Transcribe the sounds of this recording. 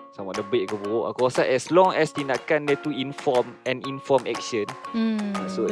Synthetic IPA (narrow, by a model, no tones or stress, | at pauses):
sãmɔfdəbeʔ̚kəbuoʔa̰kasaʔɛslɔ̃ŋɛst̪inakãndɛt̪uĩnfɔmɛ̃nĩnfɔmɛ̰k̚ʃə̃naso